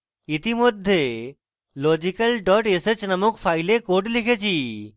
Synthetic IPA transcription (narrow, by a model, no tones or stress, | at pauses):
it̪imod̪ʱːe | lod͡ʑikəlɖɔʈeset͡ɕnəmokpʰajlekoʈlikʰet͡ɕʰi